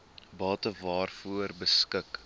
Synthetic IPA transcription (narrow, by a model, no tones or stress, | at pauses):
bɑːtəvɑːrfuərbəskək